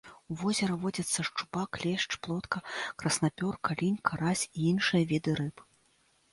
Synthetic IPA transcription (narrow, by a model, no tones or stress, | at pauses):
uvɔzʲɛɾɐvɔd͡zʲɐt̪sːɐʂt͡ʂupaklʲɛʂt͡ʂplˠɔt̪kɐkrɐsnapʲɔrkalʲinʲkʰaɾasʲiinʂɨjɐvʲid̪ɨɾɨp